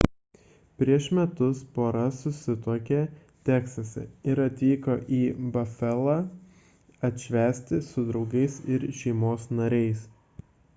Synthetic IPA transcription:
pʲɾʲiɛʃmʲɛt̪ʊspoːɾɐsʊsʲɪt̪oːkʲet̪ʲæːkst̪ɐsʲɛ̰ɪɾɐt̪ʲʋʲiːkoːʔiːbɐfʲɛlˠɑ | ɐt̪ʲʃʲʋʲæːsʲt̪ʲɪsʊd̪ɾɒʊɡɐɪsɪɾʃʲɛɪmoːsnɐɾʲɛɪs

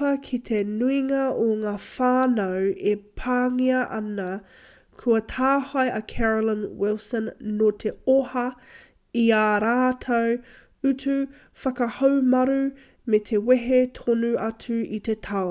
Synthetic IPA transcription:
ɐkʰit̪ʰenuiŋɐoŋaːfaːnɐwepʰaːŋiɐʔɐnɐ | kʰuɐtʰaːhɐjʔɐkʰɛɹolənwɪlsə̃nːotʰeohɐ | iaːɾaːtʰɐw | ʉtʰu | fɐkɐhɐwmɐɾu | met̪ʰeweɦetʰonuɐtʰʉit̪et̪ʰɐo

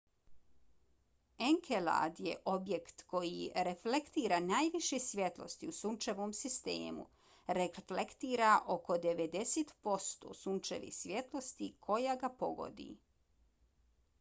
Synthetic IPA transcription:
eŋkʰela̰d̪jḛʔo̞bje̞kt̪ko̞jiɾeflekt̪iːɾanaːjʋiʃesʋʲje̞t̪lo̞̰st̪iusunt͡ʃeʋomsist̪ḛːmṵ | ɾeflekt̪iːɾaʔo̞ko̞d̪eʋed̪e̞set̪po̞st̪o̰ːsunt͡ʃḛʋḭsʋje̞t̪lˠo̞st̪ikʰo̞jaɡapo̞ɡo̰d̪ḭ

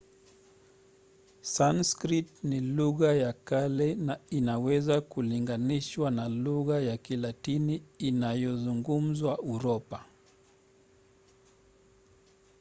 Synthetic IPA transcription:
sanskɾitniluɣajakalɛnainawɛzakuliŋɡaniʃwanaluɣajakilatiniːnajɔzuŋɡum̩zwaʔuɾɔpa

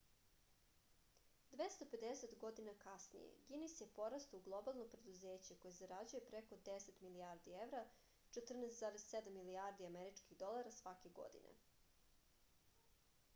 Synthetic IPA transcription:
d̪ʋest̪ope̞d̪ese̞t̪ɡo̞d̪inakasnḭjḛɡinisjepo̞ɾast̪uɡlˠo̞balˠno̞pɾe̞d̪uzeːt͡ɕeko̞jezaɾad͡ʑuje̞pɾeko̞d̪eset̪miliaːɾd̪ievɾa | t͡ʃet̪r̩nest̪zaːɾezsed̪amːiliaɾd̪iameɾit͡ʃkiɣd̪o̞lˠaɾasʋake̞ɡo̞̰d̪ḭnʔḛ

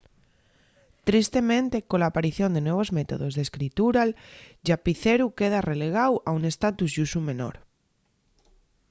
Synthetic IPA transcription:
t̪ɾist̪e̞mẽnt̪e̞kolaːpaɾiθjo̞nd̪enwe̞β̞o̞zmet̪o̞̰ð̞o̞zðeskɾit̪uɾalʒapiθeɾuke̞ð̞arele̞ɣ̞awaune̞st̪at̪uzʝusumẽ̞no̰ɾ

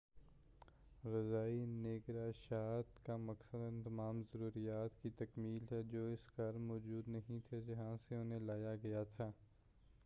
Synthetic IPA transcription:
ɾɐzaːineːɡɾaʃaːt̪kamɐksəd̪ənt̪ɐmaːmzɐɾuːɾijaːt̪kit̪ɐkmiːlɦɛd͡ʒoːɪskɐɾmɔːd͡ʒuːd̪nɐɦĩt̪ʰed͡ʒɐɦãseʊnɦẽlaːjaɡɐjat̪ʰaː

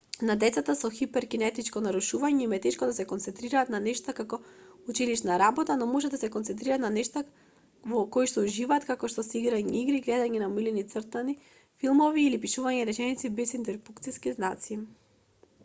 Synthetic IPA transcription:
nad̪ɛt̪sat̪asɔxipɛɾkinɛt̪it͡ʃkɔnaɾuʃuvaɲɛimɛt̪ɛʃkɔd̪asɛkɔnt̪sɛnt̪ɾiɾaːt̪nanɛʃt̪akakɔut͡ʃiliʃnaɾabɔt̪anɔmɔʒɛd̪asɛkɔnt̪ɛnt̪̬ɾiɾat̪nanɛʃt̪a | vɔkɔiʃt̪ɔuʒivaːt̪kakɔʃt̪ɔsɛiɡɾaɲɛiɡɾiɡlɛd̪aɲɛnamilinit̪səɾt̪ani | filˠmɔviːlipiʃuvaɲɛɾɛt͡ʃɛnit̪sibɛsint̪ɛɾfukt̪siskiznat̪si

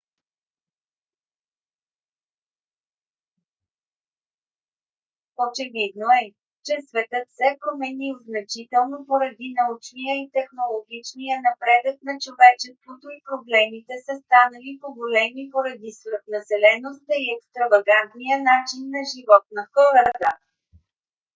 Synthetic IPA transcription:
ot͡ʃɛvid̪noɛ | t͡ʃɛsvɛt̪ɤt̪sɛpɾomɛnilznɐt͡ʃit̪ɛlˠnopoɾɐd̪inɐut͡ʃnijəit̪ɛxnolˠoɡʲit͡ʃnijənɐpɾɛd̪ək̚nɐt͡ʃovɛt͡ʃɛst̪vot̪oipɾoblɛmit̪ɛsəst̪anəlipoɡolɛmipoɾɐd̪isvɛt̪nɐsɛlɛnost̪əiɛkst̪ɾɐvɐɡant̪nijənat͡ʃinːɐʒivɔt̪̚nɐxɔɾət̪ə

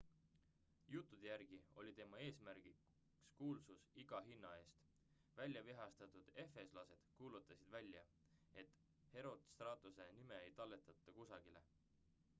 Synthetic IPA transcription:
jut̪ˑːud̪̥ejæɾɡ̥io̞lʲit̪e̞mɑe̞ːsmæɾɡ̥i | kskuːlsusiɡ̥ɑɦinːɑe̞ːst̪ | vælʲjɑviɦɑst̪ɑt̪ˑud̪̥e̞fe̞slɑse̞d̪̥kuːlut̪ːˑɑsid̪̥vælʲjɑ | e̞t̪ | he̞ɾo̞d̪̥st̪rɑːt̪ˑuse̞nime̞ejt̪ɑlːe̞t̪ːˑɑt̪ːˑɑkusɑɡ̥ile̞̰

